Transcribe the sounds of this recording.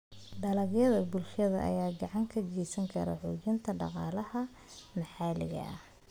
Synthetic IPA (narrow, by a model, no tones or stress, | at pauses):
ɖɐlɐɣjɐðɐbʊlʃɐðɐ̰ʔɐ̰jaːɡɑʕɑŋkʰɐɡɛjsɐŋkʰɐɾɐ̰ħuːt͡ʃɪnt̪ʰɐɖɑqɑ̰ːlɐhɐ | mɑħɑːlɪ̰ɣɐ̰ʔɐh